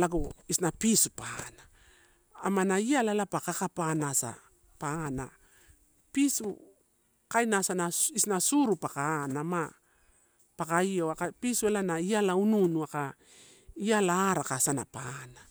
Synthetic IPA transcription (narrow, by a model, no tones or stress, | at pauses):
laɡoisnapisupana | amanaialalapakakapanasa̰ | paana̰ | pisu | kajnasanaisnasuɾupakaːnama | pakaio̞akapisuelanaialaununuaka | ialaːɾakasana̰pana